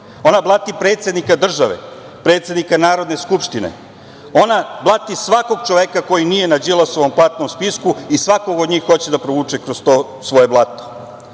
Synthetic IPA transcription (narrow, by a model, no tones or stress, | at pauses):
o̞nablˠat̪ipɾeːt̪sʲjed̪nikad̪r̩ʒaʋḛ | pɾet̪sjed̪nikanaːɾo̞d̪neskupʃt̪inḛ | o̞nablˠat̪isʋako̞ɡ̚t͡ʃo̞ʋekako̞jinije̞nad͡ʑilˠosoʋomplˠat̪nomspiskuisʋako̞ɡod̪ɲiːxːo̞t͡ɕed̪apɾoʋuːt͡ʃekɾost̪o | sʋo̞je̞blˠat̪o̥